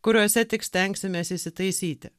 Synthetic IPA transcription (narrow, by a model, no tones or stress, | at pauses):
kʊɾʲoːsʲɛt̪ʲɪksʲt̪ʲɛŋʲksʲɪmʲɛsʲisʲɪt̪ɐɪsʲiːt̪ʲɪ